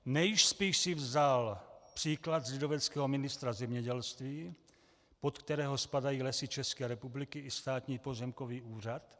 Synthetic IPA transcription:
nɛjɪʃspiːʃsɪvzalpr̝̥iːklad̪zlɪdovɛt͡skɛːɦomɪnɪst̪ɾazɛmɲɛɟɛlst̪viː | pot̪kt̪ɛɾɛːɦospadajiːlɛsɪt͡ʃɛskɛːɾɛpublɪkɪɪst̪aːt̪ɲiːpo̞zɛmkoviːʔuːr̝at̪

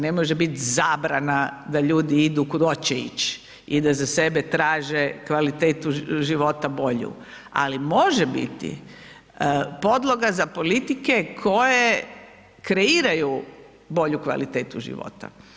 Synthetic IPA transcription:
ne̞moʒebit̪zaːbɾanad̪aʎuːd̪iid̪ukud̪ot͡ɕeḭt͡ɕ | id̪azase̞bet̪ɾaːʒekʋalit̪eːt̪uʒiʋo̞t̪abo̞ʎṵ | a̰limo̞ʒebḭt̪ḭ | po̞d̪lˠo̞ɡazapo̞lit̪ike̞kʰo̞je | kɾe̞iːɾaju | bo̞ʎukʋa̰lit̪eːt̪uʒḭʋo̰t̪a̰

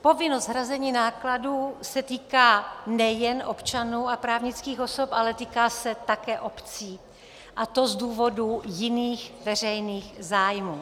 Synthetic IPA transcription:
po̞vɪnost̪ɦɾazɛɲiːnaːkladuːsɛt̪iːkaːnɛjɛnʔo̞pt͡ʃanuːapɾaːvɲɪt͡skiːxo̞sopʔalɛt̪iːkaːsɛt̪akɛːʔo̞pt͡siː | ʔat̪o̞zduːvo̞dujɪniːxvɛr̝ɛjniːxzaːjmuː

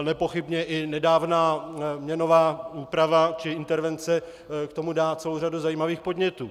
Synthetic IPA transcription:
nɛpo̞xɪbɲɛʔɪnɛdaːvnaːmɲɛno̞vaːuːpɾavat͡ʃɪɪnt̪ɛɾvɛnt͡sɛ | kt̪omudaːt͡sɛlowraduzajiːmaviːxpo̞dɲɛt̪uː

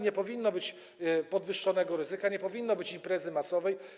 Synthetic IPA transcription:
ɲɛpɔvʲinːɔbɘt͡ɕ | pɔd̪vɘʂːɔnɛɡɔɾɘzɘkaɲɛpɔvʲinːɔbɘt͡ɕimpɾɛzɘmasɔvɛj

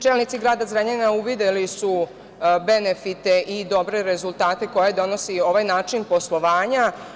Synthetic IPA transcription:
t͡ʃeːlnit̪siɡɾaːd̪azɾaɲenauʋid̪elisu | be̞nefit̪eʔid̪o̞bɾe̞ɾe̞zulˠt̪aːt̪e̞ko̞jed̪o̞no̞sio̞ʋajnaːt͡ʃinpo̞slˠo̞ʋaːɲa

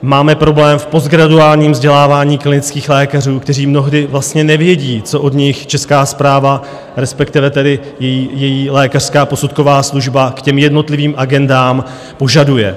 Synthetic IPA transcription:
maːmɛpɾo̞blɛːmfpo̞zɡɾaduaːlɲiːmvzɟɛlaːvaːɲiːklɪnɪt͡skiːxlɛːkar̝uːkt̪ɛriːmno̞ɦdɪvlast̪ɲɛnɛvjɛɟiːt͡so̞ʔodɲɪxt͡ʃɛskaːspɾaːva | ɾɛspɛkt̪ɪvɛt̪ɛdɪ | jɛjiːjɛjiːlɛːkar̥skaːpo̞sut̪ko̞vaːsluʒbakcɛmjɛdno̞t̪lɪviːmʔaɡɛndaːm | po̞ʒadujɛ̰

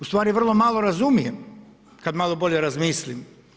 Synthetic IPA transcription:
ust̪ʋaːɾiʋr̩lˠo̞malˠo̞ɾazumijem | kad̪malˠobo̞ʎeɾazmiːslim

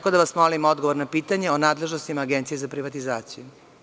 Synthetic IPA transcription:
kod̪aʋasmolimod̪ɡoʋoɾnapiːt̪aɲe̞onaːd̪le̞ʒnost̪imaːɡent̪sije̞zapɾiʋat̪izaːt̪siju

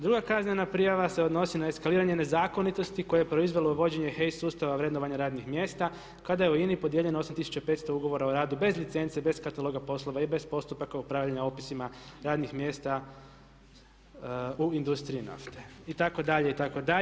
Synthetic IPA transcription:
d̪ɾuɡakazɲenapɾijaʋase̞o̞d̪no̞sinae̞skaliːɾaɲe̞ne̞zaːko̞nit̪o̞st̪iko̞jeepɾo̞izʋe̞louʋo̞d͡ʑe̞ɲexej̪suːst̪aʋaʋɾe̞d̪noʋaɲaɾaːd̪nixmje̞ːst̪a | kad̪ajeuinipo̞d̪je̞ʎenoo̞samt̪isu̥t͡ʃape̞t̪st̪ouɡo̞ʋo̞ɾaoɾaːd̪ube̞zlit̪se̞nt̪ebe̞skat̪alo̞ɡapo̞slˠo̞ʋaibe̞zpo̞st̪upakaupɾaːʋʎaɲaopisimaɾaːd̪nixmje̞ːst̪a | uind̪ust̪ɾiina̰ft̪eit̪ako̞d̪aʎe̞it̪ako̞d̪a

